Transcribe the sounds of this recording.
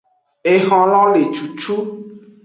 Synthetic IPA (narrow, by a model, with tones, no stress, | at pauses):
e˨ɦɔ̃˨lɔ̃˦le˨t͡ʃu˨t͡ʃu˦